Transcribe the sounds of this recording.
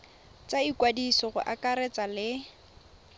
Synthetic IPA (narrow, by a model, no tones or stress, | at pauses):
t͡saikwadisɔɣʊ̰ʔakʼaɾɛt͡sʼalɪ